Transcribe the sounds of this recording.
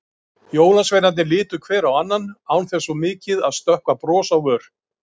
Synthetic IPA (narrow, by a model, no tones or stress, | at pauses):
joːwlansvejɾanɪlɪːt̪ʏkʰvɛːɾawanːanaːwnθɛsɔmɪːcɪðaðst̪œhkvapɾɔːsawvœːɾ̥